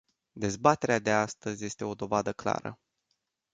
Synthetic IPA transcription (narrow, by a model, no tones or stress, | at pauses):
d̪e̞zbat̪e̞ɾead̪e̞ast̪əzʲje̞st̪e̞o̞d̪o̞vad̪əkla̰ɾə̰